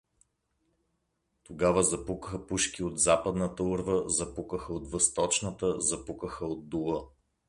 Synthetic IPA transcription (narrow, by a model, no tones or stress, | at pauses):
t̪oɡavəzɐpukəxəpuʃkʲiod̪zapəd̪nət̪əuɾvəzɐpukəxəot̪vəst̪ɔt͡ʃnət̪əzɐpukəxəod̪ːulˠə